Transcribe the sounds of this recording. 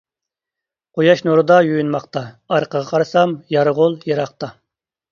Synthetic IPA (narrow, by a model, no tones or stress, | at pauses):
qʰojɑʃnoɾɨd̪ɑjujynmɑqt̪ɑ | ɑɾqəʁɑqʰɑɾɨsɑmjɑɾʁʊlˠjeɾɑqt̪ɑ